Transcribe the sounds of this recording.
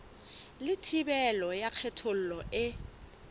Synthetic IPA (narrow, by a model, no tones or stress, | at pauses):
lɪtʰibɛlɔjaq͡χʰɛtʰol̩lɔʔɪ